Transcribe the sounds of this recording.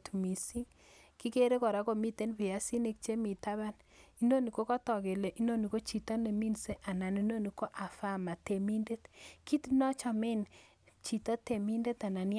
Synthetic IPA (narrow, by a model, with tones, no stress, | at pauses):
tu˨mi˨si˦ŋ | ki˦ke˦ɾe˦kɔ˨ɾa˦ko˨mi˦te˦npi˨a˦si˦ne˦˨k̚t͡ʃe˦mi˨ta˦βa˦n | i˦no˦ni˨ko˦kɔ˦tɔ˨ke˨le˨ʔi˦no˦ni˨ko˦t͡ʃi˨tɔ˦ne˨mi˦nse˦ʔa˨na˨ni˦no˦ni˨ko˦ʔa˨fa˦˨ma˨te˨mi˦nde˦tki˦tnɔ˦t͡ʃɔ˨mɪ˦n | t͡ʃi˨tɔ˦te˨mi˦nde˦ta˨na˨n˦